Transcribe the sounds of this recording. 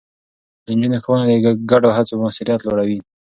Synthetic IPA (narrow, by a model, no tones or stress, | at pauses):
d̪ənd͡ʒunexowənad̪əɡaɖoɦat͡somasiɾijat̪loɽawi